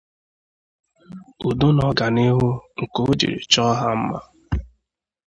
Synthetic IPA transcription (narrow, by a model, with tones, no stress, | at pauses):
u˨dʊ˦nɔ˨ɡa˨ne˦ɦʊ˦ŋ̩˨ko˦d͡ʒḭ˨ɾḭ˨t͡ʃɔ˦ɦa˦m̩˦ma̰˦